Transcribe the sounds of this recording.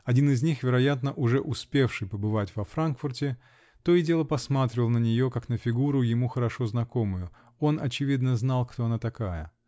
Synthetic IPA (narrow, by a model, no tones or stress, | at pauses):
ɐdʲinɪzʲnʲixvʲɪɾɐjat̪nəʔʊʐɛʔʊspʲe̞fʂɨjpəbɨvatʲv̥ɐfɾankfʊrtʲɪ | t̪o̞ɪdʲe̞lˠəpɐsmat̪ɾʲɪvəlˠnənʲɪjo̞kaknəfʲɪɡuɾʊjɪmuxəɾɐʂo̞znɐko̞mʊjʊ | o̞nɐt͡ɕɪvʲid̪nəznalˠkt̪oɐnat̪ɐkajə̰